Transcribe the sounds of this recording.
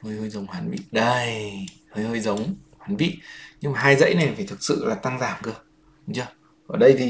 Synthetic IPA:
həː˧jhəː˧jzə˨˦wŋ͡mhaː˨˦nɓḭ˧˨ɗə˧jhəː˧jhəː˧jzə˨˦wŋ͡mhaː˨˦nɓḭ˧˨ɲɨ˧ŋmaː˨˩ɦaː˧jzə̰˧˥jna˨˩jfaː˧˩jt̪ʰɨ˨˩k̚sɨ̰˧˨laː˨˩t̪a˧ŋzaː˧˩mkɨ˧˩ə˨˦ | t͡ɕəː˧˩ | ʔəː˧˩ɗə˧jt̪ʰi˨˩

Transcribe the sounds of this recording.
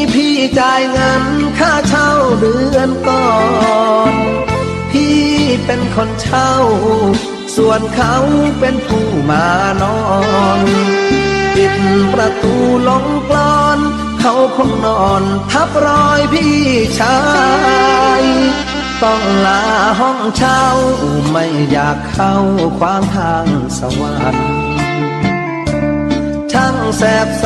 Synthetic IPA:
pʰiː˧˩t͡ɕaː˧jŋa˧nkʰaː˥˩t͡ɕʰa˧˥˩wdɯː˨˧˦ənt̪ɔː˧˩ | n | pʰiː˥˩pe˧nkʰo˧nt͡ɕʰa˥˩w | su˨˩ənkʰa˧˦˥wpe˧npʰuː˧˩maː˨˦nɔː˧n | pi˧˩npɾa˧t̪uː˧˩lo˨˦ŋklɔː˧n | kʰa˨˦˥wkʰo˧˩ŋnɔː˧˩nt̪ʰa˦˥p̚ɾɔː˧jpʰiː˧˩t͡ɕʰaː˧˦ | j | t̪ɔ˧˩ŋlaː˨˦ɦɔ˧˥˩ŋt͡ɕʰa˧wma˥˩jːaː˨˩kʰːa˧˥wkʰwaː˧˥mt̪ʰaː˧ŋsa˧˦wa˨˧˨t̚ | t͡ɕʰa˧˥˩ŋsɛː˨˧˩p̚

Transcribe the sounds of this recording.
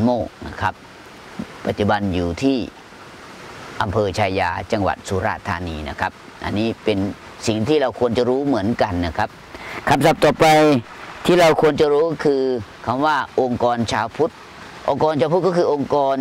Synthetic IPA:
nmoː˥˩k̚na˦˥˩kʰa˦˥p̚ | pa˨˩t̪̚t͡ɕu˨˧˩ba˧njuː˨˩t̪ʰiː˥˩ | ʔa˧mpʰɤː˧t͡ɕʰaː˧jaː˧t͡ɕa˧ŋwa̰˨˩t̪̚su˧˦ɾa̰ː˧˩t̪ʰːa̰ː˧niː˧na̰˦˥˩kʰa˦˥p̚ | ʔa̰˧nːiː˦˥pe˧n | si˨˩ŋt̪ʰiː˥˩ɾa˧wkʰu˧ənt͡ɕa˨ɾuː˦˥mɯ˩˦ənka˧nːa˦˧˩kʰa˦˥p̚kʰa˧msa˨˩p̚t̪ɔː˨˩ppa˧j | t̪ʰiː˥˩ɾa˧wkʰu˧ənt͡ɕa˨ɾuː˦˥kʰɯː˧kʰa˧mwaː˥˩ʔo˧ŋkɔː˧nt͡ɕʰaː˧wpʰu˦˥t̪̚ | ʔo̰˧ŋkɔː˧nt͡ɕʰaː˧pʰu˦˥t̪̚kɔː˥˩kʰɯː˧ʔo˧ŋkɔː˧n

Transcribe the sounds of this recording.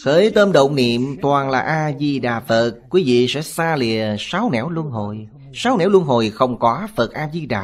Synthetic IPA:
xəː˨˦jt̪əː˧mɗo̰˧˨wnḭ˧˨əmt̪waː˨˩nlaː˨˩ʔaː˧zi˧ɗaː˨˩fə˨˩t̚kːwi˨˦vḭ˧˨sɛ̰˧˥saː˧li˨˩əsaː˨˦wnɛ̰˧˩˥wlu˧ənɦo˨˩j | saː˨˦wnɛ̰˧˥wlu˧ənɦo˨˩jxə˧wŋ͡mkɔ˨˦fə˨˩t̚ʔaː˧zi˧ɗaː˨˩

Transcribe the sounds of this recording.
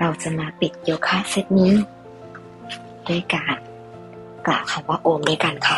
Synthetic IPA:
ɾa˧˩wsa˧naː˧pi˨˩t̪̚ji˧wkʰaː˧˥˨se˧˥t̪̚niː˧˥˨ | doː˧˥˨jkaː˨n | ka̰ː˨˩kʰa˧˩wwaː˧ʔoː˧˨mdaː˧˨jka˨nkʰa˧˩

